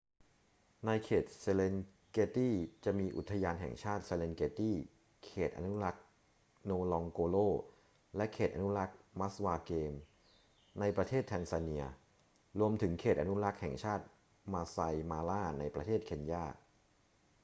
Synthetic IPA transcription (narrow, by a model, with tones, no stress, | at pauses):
na˧jkʰeː˨˩t̪̚se˧le˧n | keː˧t̪iː˥˩t͡ɕa˨˩miː˧ʔu˨˩t̪ʰːa˧jaː˧nɦɛ̰˨˩ŋt͡ɕʰaː˥˩t̪̚se˧le˧nkeː˧t̪iː˥˩ | kʰeː˨˩t̪̚ʔa̰˧nu˦˥la˦˥k̚ | noː˧lɔ˧ŋkoː˧loː˥˩ | lɛ˦˥kʰeː˨˩t̪ʔa˧nu˦˥la˦˥k̚ma˦˥swaː˧keː˧m | na˧jpɾa˧t̪ʰeː˥˩t̪ʰːɛː˧nsa˧ni˧ɐ | ɾu˧əmt̪ʰɯ˩˦ŋkʰeː˨˩t̪̚ʔa˧nu˦˥ɾa˦˥k̚hɛ̰˨˩ŋt͡ɕʰaː˥˩t̪̚ | maː˧sa˧jmaː˧laː˥˩na˧jpɾa˧t̪ʰeː˥˩t̪̚kʰe˧njaː˥˩